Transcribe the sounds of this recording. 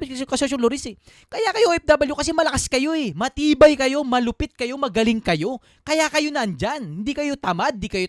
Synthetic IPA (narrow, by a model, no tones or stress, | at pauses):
ɪkɐsɪkɐsoʃ̬oloɾisɛ | kɐjakɐjoʔʔɛp̚d̪aːbɐljokɐs̬ɛmɐlɐkaskɐjo̞ɛmɐt̪iːbɐjkɐjo̞mɐlʊpɪt̪̚kɐjo̞mɐɡɐlɪŋkɐjo̞ | kɐjakɐjo̞nɐʔnd͡ʒanhɪnd̪iːkɐjo̞t̪ɐmad̪̚d̪ikɐjo